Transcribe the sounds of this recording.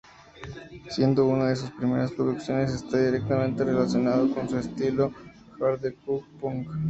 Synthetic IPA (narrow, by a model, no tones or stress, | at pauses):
sje̞nd̪o̞unaðe̞s̬uspɾime̞ɾaspɾoðuksjo̞ne̞s̬e̞st̪aðiɾek̚t̪amẽnt̪e̞re̞lasjo̞naðoko̞nsuest̪ilo̞ | xaɾðekukpuŋk